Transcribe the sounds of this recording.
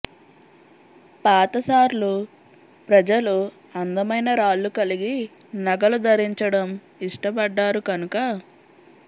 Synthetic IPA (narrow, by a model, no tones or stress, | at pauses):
paːt̪ɐsaːɾlu | pɾɐd͡ʒɐlu | ɐnd̪ɐmɐjnɐɾaːɭːukɐliɡi | nɐɡɐlud̪ɐɾiɲt͡ʃɐɽɐm | iʂʈɐpɐɖːaːɾukɐnukɐ